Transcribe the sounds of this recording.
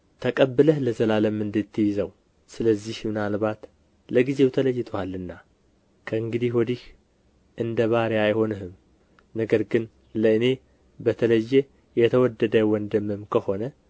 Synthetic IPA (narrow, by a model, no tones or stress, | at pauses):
t̪ʰəkʼəbːɨləhləzəlaləmɨnd̪ɨt̪ʰːɨjɪzəw | sɨləzːihmɨnalbat̪ | ləɡize̞wt̪ʰələjːɪt̪ʰʼwalːɨnːa | kʰəɨŋɡɨd̪ihwɔd̪ih | ʔɨnd̪əβaɾeajho̞nɨɦɨm | nəɡəɾɡɨn | ləɨne̞ | bət̪ʰələjːɛ | jɛt̪ʰəwɔd̪ːəd̪əwɔnd̪əmɨmkʰəho̞nə